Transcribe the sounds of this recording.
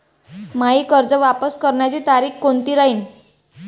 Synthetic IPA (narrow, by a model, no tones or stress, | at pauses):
maɦiːkəɾd͡zəʋapəskəɾɳjat͡ɕiːt̪aɾiːkkont̪iːɾaɦiːn